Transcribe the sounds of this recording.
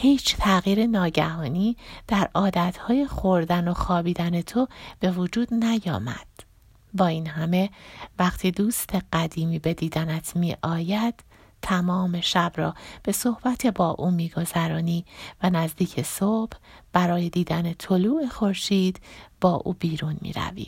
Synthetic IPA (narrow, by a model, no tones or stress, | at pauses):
hiːt͡ʃʰt̪ʰæɣiːɾenɒːɟæhɒːniːd̪̥æɾʔɒːd̪æt̪ʰhɒːje̞xo̞ɾd̪æno̞xɒːbiːd̪æne̞t̪ʰob̥e̞vod͡ʒuːd̪̥næjɒ̰ːmæ̰d̪̥ | bɒːiːnɦæme̞væχt̪ʰiːd̪uːst̪ʰe̞ɢæd̪iːmiːbe̞d̪iːd̪ænæt̪ʰmiːʔɒːjæd̪̥ | t̪ʰːæmɒːme̞ʃæbɾɒ̰ːb̥e̞so̞hb̥æt̪ʰebɒːʔuːmiːɡo̞zæɾɒːniːvænæzd̪iːcʰesob̥b̥æɾɒːje̞d̪iːd̪æne̞t̪ʰo̞luːʔexo̞ɾʃiːd̪̥b̥ɒːʔuːbiːɾunmḭːɾæ̰vḭ